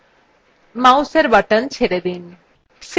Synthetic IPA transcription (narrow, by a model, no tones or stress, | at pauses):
mawseɾbəʈənt͡ɕʰeɾed̪in | s